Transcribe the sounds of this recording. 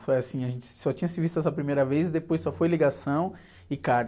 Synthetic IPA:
fojasĩɐʒẽnt͡ʃɪ̥sɔt͡ʃĩɲɐsɪvist̪ɐɛs̬ɐpɾimejɾɐvezɪd̪epojsɔfojliɡasɐ̃w̃ | ɪkaɾ

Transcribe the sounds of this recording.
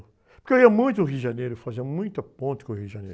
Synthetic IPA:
poɾkewiɐmũj̃t̪̬ʊʊɦiʒɐnejɾʊfazẽnmũj̃t̪ɐpõnt̪ɪ̥kõhiʒɐ̃nḛjɾ

